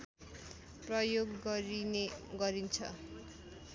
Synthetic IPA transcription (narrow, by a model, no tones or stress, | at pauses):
prʌjoɡɡʌɾineɡʌɾint͡sʰʌ̰